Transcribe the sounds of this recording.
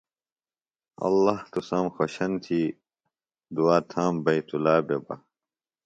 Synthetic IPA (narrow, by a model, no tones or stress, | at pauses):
ɐ̰lːɐht̪usɐmxoɕɐnt̪ʰiː | d̪uaːt̪ʰaːmbɐjt̪ulaːbebɐ̰